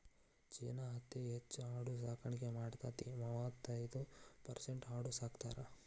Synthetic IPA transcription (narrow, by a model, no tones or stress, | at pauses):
t͡ʃeːnaɦɐt̪ːeɦet͡ʃːuaːɽus̬aːkʰɐɳikemaːɽt̪aːt̪imɐʋaːt̪ːait̪upɐɾseɳʈɦaːɽusaːkt̪aːɾɐ